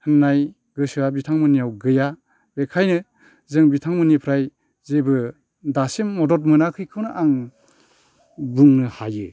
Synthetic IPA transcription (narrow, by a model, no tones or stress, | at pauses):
hɯnːaj | ɡɯsɯwabitʰaŋmɯnijawɡɯja | bekʰajnɯ | zɯŋbitʰaŋmɯnipʰɾaj | zebɯ | dasimːɔdɔt̬̚mɯnakʰɯjkʰɯwnɯʔaŋ | buŋnɯhajɯ